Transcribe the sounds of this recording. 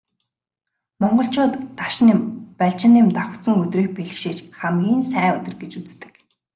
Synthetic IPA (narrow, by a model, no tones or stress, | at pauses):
mɔɴɢɞ̆ɬt͡ɕʊːt̪ːaʃnɪmpæɮt͡ɕɪ̆nɪmt̪aw̪̆ʰsə̆ŋɵt̪riːk̚peɮɘ̆xʃiːt͡ɕχamɡʲiːnsæːɵt̪ɪ̆rɡet͡ɕut͡st̪ɘ̥̆k